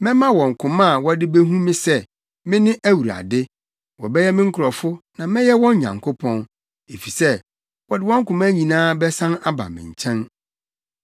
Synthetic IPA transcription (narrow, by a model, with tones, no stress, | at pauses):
mɪ̃˦mã˦wɔ̃˨ŋ̩˨kʰʊ̃˨mã˦˨wɔ˦dɪ˦be˦ɦũ˦mɪ̃˦sɛ˦ | mɪ̃˦nɪ̃˦ʔæ˦wu˨ɾa̰˨dɪ˦ | wɔ˨bɛ˦jɛ˦mɪ̃˦ŋ̩˦kʰʊ˨ɾɔ˨fʊ˦nã˨mɪ̃˦jɛ˦wɔ̃˦ɲ˦ɲã̰˨ŋkʰʊ˦pʰɔ̃˦n | e˨fi˨sɛ˦ | wɔ˨dɪ˦wɔ̃˦ŋ̩˦kʊ̃˨mæ˦ɲĩ˨nãː˦bɛ˦sã˦na˦ba̰˨mɪ̰̃˨ɲ̩˨t͡ɕʰɛ̃˦n